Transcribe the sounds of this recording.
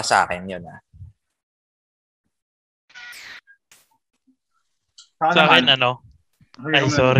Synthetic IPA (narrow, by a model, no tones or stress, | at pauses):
sa̰ːkɪnjona | saːkɪnʔɐno | ajssɔːɾ